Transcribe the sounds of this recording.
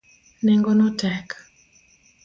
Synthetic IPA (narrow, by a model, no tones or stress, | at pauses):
nɛŋɡɔnɔtɛk